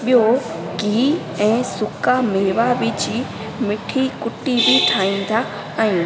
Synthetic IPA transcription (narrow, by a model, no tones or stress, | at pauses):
ɓɪjoɡiː | ɛ̃ːsʊkameːʋaʋɪd͡ʒi | mɪʈʰikʊʈibʱiʈʰaːĩːn̆d̪a | aːjũ